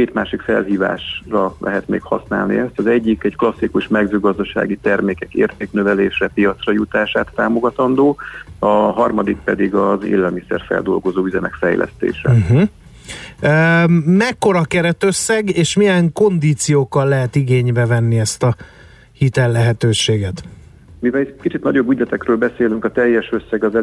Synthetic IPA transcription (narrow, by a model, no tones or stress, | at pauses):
keːt̪maːʃikfɛ̰lɦiːva̰ːʃrɒlɛ̰ɦɛt̪mḛːkhɒsna̰ːlnḭɛst̪ɒzɛɟːikɛcklɒsːikuʃmɛɡzøːɡɒzd̪ɒʃa̰ːɡit̪ɛrmeːkɛkḛːrt̪eːknøvɛleːʃrɛpijɒt̪srɒjut̪aːʃaːt̪ːaːmo̞ɡɒt̪ɒnd̪oːɒɦɒrmɒd̪ik̚pɛd̪iɡɒzḛːlɛlmisɛ̰rfɛ̰ld̪o̞̰lɡo̞zoːyzɛmɛkfɛjlɛ̰st̪ḛːʃɛ̰ɦ̩ | ømɛkːo̞ɾɒkɛɾɛt̪ø̞sːɛɡeːʃmijɛŋko̞nd̪iːt̪sijoːkːɒlːɛɦɛt̪iɡeːɲbɛvɛnːiɛst̪ɒ | hit̪ɛlːɛɦɛt̪øːʃeːɡɛt̪ | mivɛlikit͡ʃit̪nɒɟobyd̪ɛt̪ɛkrøːlbɛseːlyŋkɒt̪ɛjːɛʃøsːɛɡɒzɛ